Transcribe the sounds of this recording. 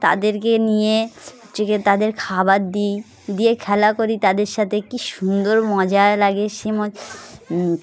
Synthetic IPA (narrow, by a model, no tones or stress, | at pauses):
t̪a̰d̪eɾkenije | t͡ʃeket̪ad̪eɾkʰabat̪̚d̪ij | d̪ijekʰɛlakoɾit̪ad̪eɾʃat̪ʰekiʃund̪oɾmɔd͡ʑaelaɡeʃemɔ